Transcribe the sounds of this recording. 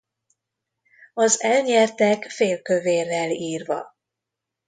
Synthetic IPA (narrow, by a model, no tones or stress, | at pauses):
ɒzɛlɲɛrt̪ɛkfeːlkø̞veːrːɛliːrvɒ̰